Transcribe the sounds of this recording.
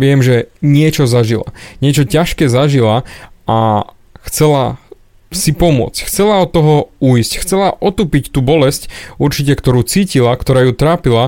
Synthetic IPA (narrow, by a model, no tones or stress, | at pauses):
ʋɪɛmʒɛɲɪɛt͡ʃɔzaʒila̰ɲɪɛt͡ʃɔcaʃkɛːzaʒilaa | xt͡sɛla | sipɔmʊɔ̰t͡scxt͡sɛlaɔt̪ːɔɦɔuiscxt͡sɛlaʔɔt̪uːpict̪uːbɔlɛscuɾt͡ʃicɛkt̪ɔɾuːt͡siːcilakt̪ɔɾaːjut̪ɾaːpila